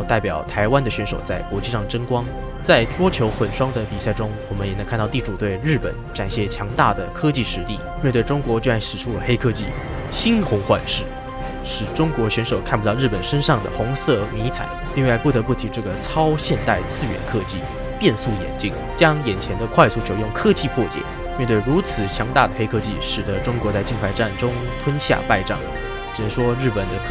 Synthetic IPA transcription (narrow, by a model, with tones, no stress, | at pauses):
t̪a˥˩ɪpjɑ˨˩ʊt̪ʰa˧˥ɪwa˥nd̪ə˨ɕɥɛ˧˥nʂo˨˩ʊt͡sa˥˩ɪkwɔ˧˥t͡ɕi˥˧ʂɑ˥˩ŋəʈ͡ʂə˥ŋkwɑ˥ŋ | t͡sa˥˩ɪʈ͡ʂwɔ˥t͡ɕʰjo˧˥ʊxə˨˩nʂwɑ˥ŋd̪ə˨pi˨˩sa˥˩ɪʈ͡ʂʊ˥ŋwɔ˨˩mə˦njɛ˨˩na˧˥kʰa˥˧nt̪ɑ˥˧t̪i˥˩ʈ͡ʂu˨˩t̪we˥˧ɪɻɻ̩˥˩pə̰˨˩˦nʈ͡ʂa˨˩nɕjɛ˥˩t͡ɕʰjɑ˧˥ŋt̪a˥˩d̪ə˩kʰɤ˥t͡ɕi˥˩ʂɻ̩˧˥t̪i˥˩mjɛ˥˧t̪we˥˩ɪʈ͡ʂʊ˥ŋkwɔ˧˥t͡ɕo˥˧ɻa˥˩nʂɻ̩˨˩ʈ͡ʂʰu˥lə˨˩xe˥ɪkʰɤ˥˧t͡ɕi˥˩ | ɕi˥nxʊ˧˥ŋxwa̰˥˧nʂɻ̩˥˩ | ʂɻ̩˨˩ʈ͡ʂʊ˥ŋkwɔ˧˥ɕɥɛ˧˥nʂo˨˩ʊkʰa˥˩pu˧˥ɑ˥˧ɻ̩˥˩pə˨˩nʂə˥nʂɑ˥˩ŋd̪ə̰˩xʊ˧˥ŋsɤ˥˩mi˧˥t͡sʰa̰˨˩˦ɪli˥˧ŋwa˥˧ɪpu˥˩t̪ɤ˧˥pu˥˩t̪ʰi˧˥ʈ͡ʂɤ˥˩ɡə˩t͡sʰɑ˥ʊɕjɛ˥˧nt̪a˥˩ɪt͡sʰɹ̩˥˩ɥɛ̰˧˥nkʰɤ˥˧t͡ɕḭ˥˩ | pjɛ˥˧nsu˥˩jɛ̰˨˩nt͡ɕi˥ŋ | t͡ɕjɑ˥ŋjɛ˨˩nt͡ɕʰjɛ˧˥nd̪ə˧kʰwa˥˧ɪsu˥˩t͡ɕʰjo˧˩ʊjʊ˥˩ŋkʰɤ˥t͡ɕi˥˧pʰwɔ˥˩t͡ɕjɛ̰˨˩˦ | mjɛ˥˧nt̪̬we˥˩ɪɻu˧˥t͡sʰɹ̩˨˩t͡ɕʰjɑ˧˥ŋt̪a˥˩d̪ə˩xe˥ɪkʰɤ˥˧t͡ɕi˥˩ʂɻ̩˨˩d̪ə˧˦ʈ͡ʂʊ˥ŋkwɔ˧˥t͡sa˥˧ɪt͡ɕi˥˧ŋkʰa˧˥ɪʈ͡ʂa˥˩nʈ͡ʂʊ˥ŋt̪ʰwə˥nɕja̰˥˧pa˥˧ɪʈ͡ʂɑ̰˥˩ŋ | ʈ͡ʂ̩̪˨˩ə˧˥ʂwɔ˥ɻɻ̩˥˩pə˨˩nd̪ə˦